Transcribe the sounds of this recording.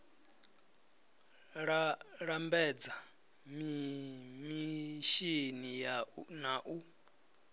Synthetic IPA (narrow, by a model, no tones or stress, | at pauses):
ɺaɺambɛd͡za | mi | miʃinijanaʔu